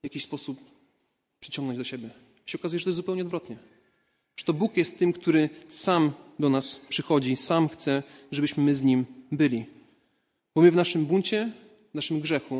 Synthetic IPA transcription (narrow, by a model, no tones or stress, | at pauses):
vjakʲiɕspɔsup | pʂɘt͡ɕɔ̃ŋɡnɔɲd͡ʑd̪ɔɕɛbʲjɛ | jaɕɛɔkazujɛʐɛt̪ɔjɛsupɛwɲɛɔd̪vɾɔt̪ɲɛ | ʐ̥ɛ̥t̪ɔbukjɛst̪ːɘmkt̪uɾɘsamd̪ɔnaspʂɘxɔd͡ʑisamxt̪sɛʐɛbɘɕmɘmɘzɲimbɘlʲi | bɔmɘvnaʂɘmbunt͡ɕɛ | vnaʂɘmɡʐɛxu